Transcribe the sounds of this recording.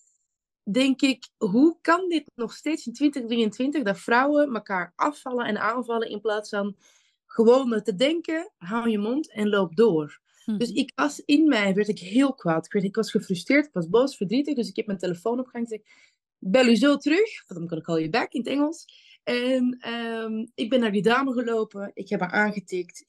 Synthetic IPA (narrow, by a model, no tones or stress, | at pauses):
dɛŋkɪkɦukɑndɪtnɔxsteːtsɪntʋɪntəxdriəntʋɪntəɣdɑtfrɑwəməkaːɹʔɑfɑləɛ̰naːnvɑlˠəʔɪ̰nplaːtsfɑn | ɣəʋoːntədɛŋkəɦawjəmɔntɛnloːp̚doːr | ddɵsɪkʋɑsɪnmɛjʋɛɹtɪkɦɪːlˠkʋaːtɪkʋɛɹtɪkʋɑsxəfrʏstrɪːɹtɪ̥kʋɑsboːsfəɹdritəxdøsɪkɛp̚mɛnteləfoːnɔpxaŋzɛk | bɛlˠyzoːtərøxfɑndɑnkɔnɪkɑlˠəbɛkɪnətɛŋəlˠs | ɛnəmɪɡ̚bɛnːaːɹjədaːməɣəloːpəɪkhɛpməɹʔaːnɣətɪkt